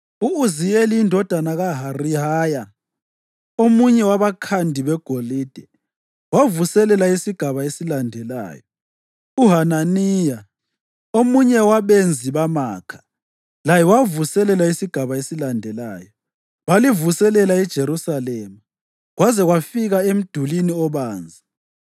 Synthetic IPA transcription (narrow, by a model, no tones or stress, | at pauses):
uːzijeliːndʱɔd̥ʱanaɣaɦariɦaːja | omuɲɛwaβakʰandʱiβɛɡ̥ʱoliːd̥ʱɛ | wavusɛlɛlaisiɡ̥ʱaβaesilandʱɛla̰ːjɔ | uɦananiːja | omuɲɛwaβend͡zʱiβamaːkʰḁ | lajɛwavusɛlɛlaisiɡ̥ʱaβaesilandʱɛla̰ːjɔ | βalivusɛlɛlaid̥ʒ̥ʱeɾusaleːma | ɣwazɛɣwafiɣaem̩d̥ʱuliniɔβaːnd͡zʱi